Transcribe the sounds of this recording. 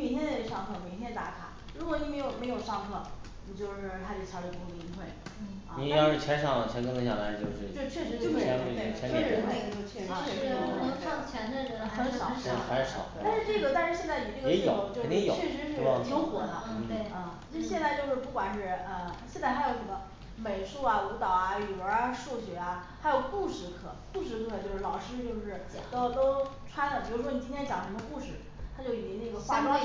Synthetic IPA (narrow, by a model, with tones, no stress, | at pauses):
mɛ˨˩nt̪ʰjɛ˥n˨˧˥ʂɑ˥˩ŋxʰɤ˥˩mjɛ˧˥˩ɕ̬ʰjɛ˥n˧t̪a̰˧˥kʰa̰˨˩˦ | ɻu˧˥kwɔ˧˥ni˨˩me˧˥ɪjo˨˩ʊme˧˥ɪjo˨˩ʊʂɑ˥˧ŋxʰɤ˥˩ | ni˨˩t͡ɕjo˥˧ʊʂɻ̩˥˧˩tʰa˥t͡ɕo˧˩t͡ɕʰɑ˧˥ʊə˧˩pi˧˥˩i˧˥ŋxwe˥˩ɪ˩ | ɐ̰˧ni˧˥jɑ˥˧ʂɻ̩˥˩t͡ɕʰjɛ˧˥nʂɑ˨˩ŋ˨˩t͡ɕʰɛ˧˥nkə˥lə˧˥ɕɑ˨˩la˧˥˩t͡ɕjo˥˧ʊʂɻ̩˥˩o˥˧t͡ɕʰɥɛ˥˧˩ʂɻ̩˧˥o˥˧˥ɛ˧˥ne˥˩e˥˩t͡ɕʰɛ˥˧ə˧˥nle˥˩˨t͡ɕʰɛ˥˧˥nə˧˥ŋ˥˧˩ŋt͡ɕʰjɛ˧˥nə˥˩ɻə˧˥˧xə˧˥nʂɑ̰˨˩˦xa˧˥ʂʂɑ̰˨˩˦a˥˧nʂɻ̩˥˧ʈ͡ʂɤ˥˩ɡə˩t̪a˥˧nʂɻ̩˥˧ɕjɛ˥˧nt͡sa˥˩ɪni˨˩ʈ͡ʂə˨ɛ˧˥˧o˨˩˦o˧˦t͡ɕo˥˧ʊ˨ni˥jo˨˩˥ɛ˥˧˩ʂɻ̩˧˥ʂɻ̩˥˧˥jo˧˥ʊxwɔ˨˧˥d̪ə˧˩˧ə˥˧˩t͡ɕʰi˧˥ʂɻ̩˥ɕjɛ˥˧nt͡sa˥˧ɪt͡ɕjo˥˧ʂɻ̩˥˧pu˥˩kwa˨˩nʂɻ̩˥˩ə˧˩ɕjɛ˥˧nt͡sa˥˩xa˧˥ɪjo˧˥ʊ˧˩˥mə˧ | me˨˩ɪʂu˥˩ɐ˨u˧˥t̪ɑ˨˩ʊa˧ny˨˩wə˧˥a˧ʂu˥˩ɕɥɛ˧˥a˧ | xa˧˥jo˨˩ʊku˥˧ʂɻ̩˧˥kʰɤ̰˨˩˦ku˥˩ʂɻ̩˧˥kʰɤ˧˩t͡ɕjo˥˧ʂɻ̩˥˩lɑ˨˩ʊʂɻ̩˥t͡ɕjo˥˧ʊʂɻ̩˥˩t̪o˥ʊt̪o˥ʊʈ͡ʂʰwa˥nd̪ə˨˩t͡ɕjɻu˧˥˩ʂwɔ˥ni˨˩t͡ɕi˥t̪ʰjɛ˥nt͡ɕɑ˨˩ŋʂə˧˥mə˧ku˥˧ʂɻ̩˨˩ | t̪ʰa˥t͡ɕjo˥˩ʊi˥˩t̪jɛ˧˥nə˥˩ɡə˩xwa˥